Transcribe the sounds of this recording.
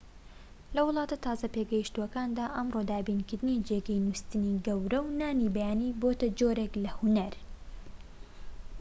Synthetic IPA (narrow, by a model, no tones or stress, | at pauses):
lɐwʊlˠɑːt̪ɐt̪ʰaːzɐpeɡɐjiʃt̪uwɐkaːnd̪aːʔɐmrod̪aːbiːnkɪɾd̪ɨnid͡ʒeɡɐjnust̪ɨniɡɐwɾɐwnaːnibɐjaːniːboːt̪ɐd͡ʒoːɾeklɐhunɐɾ